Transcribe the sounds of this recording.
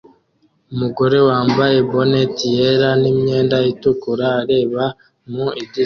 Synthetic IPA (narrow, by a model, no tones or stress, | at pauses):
umuɡo̞ɾe̞waːmbaje̞bo̞netijeɾanimɲe̞ːndajitukuɾaːɾe̞ːβa | muidi